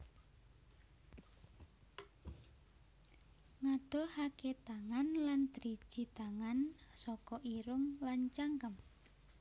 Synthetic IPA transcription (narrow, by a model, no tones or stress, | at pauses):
ŋad̪̥ɔ̤haket̪aŋanlant̪əɾi̥ʒ̥i̤t̪aŋansɔkɔʔiɾʊŋlant͡ʃaŋkəm